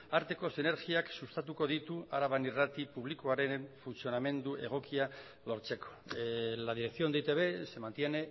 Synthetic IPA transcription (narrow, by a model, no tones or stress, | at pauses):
aɾt̪e̞ko̞sine̞ɾɣiaksust̪at̪uko̞ð̞it̪uaɾaβanirat̪ipuβ̞likoaɾe̞ɱfunsio̞name̞nd̪uʔe̞̰ɣ̞o̞kia | lo̞ɾt͡se̞ko̥lað̞iɾe̞kθio̞nd̪et̪eβe̞se̞mant̪je̞ne̞